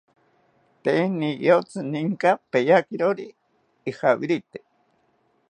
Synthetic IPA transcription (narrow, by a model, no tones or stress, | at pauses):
t̪enij̰ot͡sɨniŋkapejakiɾoɾiː | hawiɾit̪e